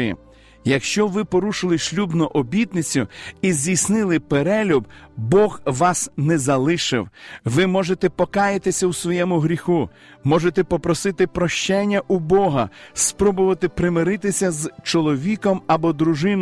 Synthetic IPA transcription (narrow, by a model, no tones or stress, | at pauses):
jḭ | jɐkʃt͡ʃɔʋɪpɔɾuʃɪlˠɪʃlʲubnɔʔɔbʲit̪nɪt͡sʲʊizʲdʲijsʲnɪlˠɪpeɾɛlʲubbɔɣʋɑsnɛzɐlˠɪʃɪ̰wʋɪmɔʒet̪ɛpɔkɑjɪt̪ɪsʲɐwsʋɔjɛmʊɦɾʲixu | mɔʒet̪ɛpɔpɾɔsɪt̪ɪpɾɔʃt͡ʃɛnʲːɐʔubɔɦɐspɾɔbʊʋɐt̪ɪpɾɪmɪɾɪt̪ɪsʲɐzt͡ʃɔlˠɔʋʲikɔmɐbɔd̪ɾʊʒɪn